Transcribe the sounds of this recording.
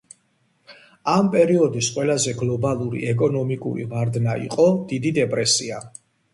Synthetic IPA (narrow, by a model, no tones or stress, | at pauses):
ampʼɛɾiɔd̪isqʼwɛlazɛɡlˠɔbalˠuɾḭɛkʼɔnɔmikʼṵɾḭvaɾd̪naḭqʼɔd̪̥id̪id̪ɛpʼɾɛsia